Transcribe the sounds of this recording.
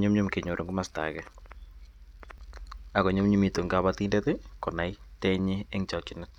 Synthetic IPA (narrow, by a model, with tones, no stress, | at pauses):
ɲʊ˦mɲʊ˦mke˨ɲo˨ɾʔo˨ŋɡʊ˦ma˨sta̰˨kɛ | a˨kɔ˨ɲʊ˦mɲu˦mi˨to˨ŋɡa˦βati˦ndɛtɪ˦kɔ˨na˨jtɛ˦ɲɪ˦e˦ŋt͡ʃɔ˨t͡ʃɪ˦nɛt̚